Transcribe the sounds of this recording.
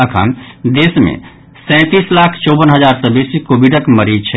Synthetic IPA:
əkʰə̰nd̪esmḛ̃ | sɛ̃t̪islakʰt͡ʃɔbənɦəd͡ʒaɾsə̃besikobiɖəkməɾit͡ʃʰɛ

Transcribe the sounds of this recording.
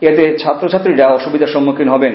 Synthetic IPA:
et̪et͡ɕʰat̪ːɾot͡ɕʰat̪ːɾiɾaɔʃubid̪ʱaɾʃɔmːokʰinɦɔben

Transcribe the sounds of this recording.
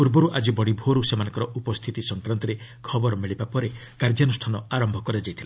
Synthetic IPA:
puɾbɔɾuʔad͡ʒibɔɽibʱoɾusemanɔ̃ŋkɔɾɔʔupɔst̪ʰit̪isɔŋkɾant̪ɔɾekʰɔbɔɾɔmiɭibapɔɾe | kaɾd͡ʒjanusʈʰanɔaɾɔmbʱɔkɔɾed͡ʒajt̪ʰila

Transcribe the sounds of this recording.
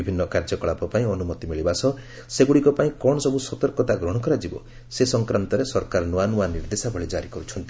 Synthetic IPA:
ibʱinːɔkaɾd͡ʒɔkɔɭapɔpaĩɔnumɔt̪imiɭibasɔ | seɡuɽikɔpaĩkɔɽɔsɔbusɔt̪ɔɾkɔt̪aɡɾɔɽ̃ɔkɔɾad͡ʒibɔ | sesɔŋkɾant̪ɔɾesɔɾkaɾɔnuanuaniɾd̪esabʱɔɭid͡ʒaɾikɔɾut͡ʃʰɔnt̪i

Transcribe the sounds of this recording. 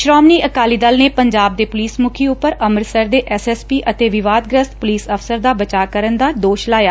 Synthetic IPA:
ʃɾaːmniːəkaːliːd̪əlneːpəɲd͡ʒaːb̚d̪eːpʊliːsmʊkʰeːʊpːəɾəməɾsəɾd̪eːʔɛːsɛːspiːʔət̪eːʋɪʋaːd̪̚ɡɾəst̪̚pʊliːsəfʰsəɾd̪aːbət͡ʃaːkəɾənd̪aːd̪oːʃlaːjaː

